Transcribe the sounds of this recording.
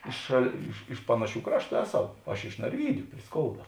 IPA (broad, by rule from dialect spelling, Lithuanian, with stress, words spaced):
ˈɪʃ ʃɐlˠ ˈɪʃ ɪʃ ˈpɑːnɐˌʃʲuː ˈkrɑːʃˌtuː ˈæːˌsɐʊ ɐʃ ɪʃ nɐrʲˈʋʲiːdʲʊ pʲrʲɪ ˈskoːʊdɐ